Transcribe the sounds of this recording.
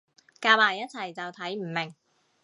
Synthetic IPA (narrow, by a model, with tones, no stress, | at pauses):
kaː˧wpaː˨˩jɐ˥t̚t͡sʰɐ˨˩jt͡sɐ˨wt̪ʰɐ˨˥jm̩˨˩mɪ˨˩ŋ